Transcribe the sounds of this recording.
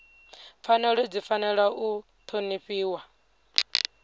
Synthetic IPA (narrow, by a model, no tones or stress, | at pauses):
fanɛɺɔd͡zifanɛɺwaʔu | t̪ʰoniɸiːwa